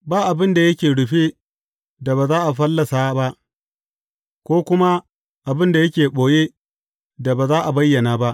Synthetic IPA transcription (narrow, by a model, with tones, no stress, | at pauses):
baː˦ʔa˨bɪ˦nda˨jɐ˦kʲeː˨ɽʊ˨ɸe˦ | da˨baː˨zaː˦ʔa˨ɸɐ˦lːɐ˨sa˦ba˦ʔ | kʷoː˦kʷʊ˦ma˦ | ʔa˨bɪ˦nda˨jɐ˦kʲeː˨ɓoː˨jeː˦ | da˨baː˨zaː˦ʔa˨bɐ˦jːɐ˨naː˨ba˦ʔ